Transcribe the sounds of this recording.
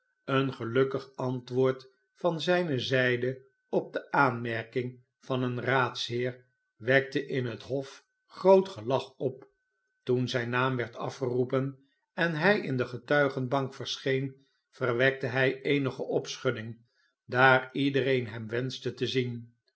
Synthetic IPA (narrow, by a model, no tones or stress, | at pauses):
ənχəlɵkəχɑntʋʊːɹt | fɑnzɛjnəzɛjdə | ɔb̚dəʔaːnmɛɹkɪŋ | v̥ɑnənraːtsɦɪːɹ | ʋɛk̚təʔɪnɦətɦɔf | χrowtχəlɑχɔp | tunzɛjnaːmʋɛɹtɑ̰fχərupən | ɛnɦɛjɪndəχətœɥχənbɑŋkfəɹsχejn | v̥ərʋɛk̚təɦɛjejnəχəʔɔpsχɵdɪŋ | daːridərejnɦɛmʋɛnztətəzin